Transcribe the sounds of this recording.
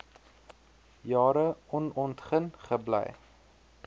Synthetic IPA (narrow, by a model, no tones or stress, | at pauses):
jɑːɾəɔnɔntχənχəblɛ̰j